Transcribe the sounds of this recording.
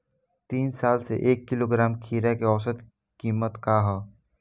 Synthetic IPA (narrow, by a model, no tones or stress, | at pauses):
t̪iːnsaːlsḛʔeːkːɪloɡɾaːmkʰiːɾakeɔːsəd̪ | kiːmət̪kaːɦɛ